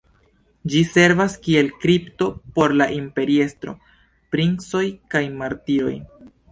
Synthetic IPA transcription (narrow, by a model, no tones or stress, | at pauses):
d͡ʒise̞ɾvaskie̞lkɾipto̞po̞ɾlaʔimpe̞ɾie̞stɾo̞̰ | pɾinso̞jkajmaɾtio̞̰j